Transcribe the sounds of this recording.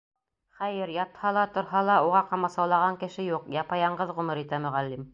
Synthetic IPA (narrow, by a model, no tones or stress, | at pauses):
χæjɘɾjɑt̪hɑlˠɑt̪ŏɾɦɑlˠɑuʁɑqɑmɑsɑwlˠɑʁɑŋkɘ̆ʃɘjuqjɑpɑjɑɴɢɤðʁɵ̆mɤɾit̪æmɵ̆ʁælːim